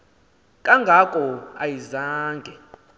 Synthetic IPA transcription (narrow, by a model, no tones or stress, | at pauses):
kʼaŋɡʱakʼɔajizaːŋɡʱɛ